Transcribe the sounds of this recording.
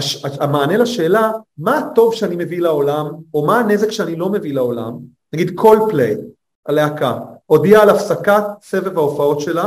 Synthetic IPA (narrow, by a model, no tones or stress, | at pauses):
aʃaamaːnelaʃe̞ːlamaːto̞vʃeanime̞vilao̞lamo̞maːne̞zekʃeanilo̞me̞vilaola̰m | naɡid̪kʰo̞lplej | ʔaleakao̞diaːlafsakatt͡sevevaofao̞tʃe̞la